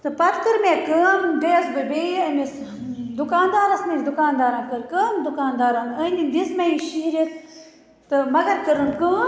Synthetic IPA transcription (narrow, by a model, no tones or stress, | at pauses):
t̪ɨpɐt̪kɨɾmẽːkəːnd̪eːɐsbɨbeːɐmes | d̪ukaːnd̪aːɾɐsmẽsd̪ukaːnd̪aːɾãːnkəɾkəːnd̪ukaːnd̪aːɾanənʲib̪ismɐiʃiɦiɾit̪ | t̪ɨmɐɡɐɾkəɾɨnkəːn